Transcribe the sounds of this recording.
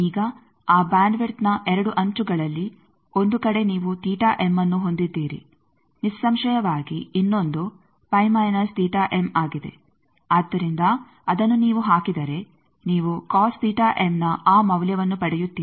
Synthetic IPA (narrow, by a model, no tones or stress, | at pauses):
iːɡɐ | aːbaːɳɖʋeɾt̪nɐʔɛɾɐɽuʔɐɲt͡ʃuɡɐɭɐlːi | o̞nd̪ukɐɽe̞niːʋut̪iːʈaːʔemːɐnːuɦo̞nd̪id̪ːiːɾḭ | nisːɐmʃɐjɐʋaːɡiinːo̞nd̪u | pɐjmɐjnɐst̪iːʈaːʔe̞maːɡid̪e̞̰ | aːd̪ːɐɾind̪ɐ | ɐd̪ɐnːuniːʋuɦaːkid̪ɐɾe̞ | niːʋukaːst̪iːʈaːʔemnɐaːmɐʋljɐʋɐnːupɐɽɛjut̪ːiːi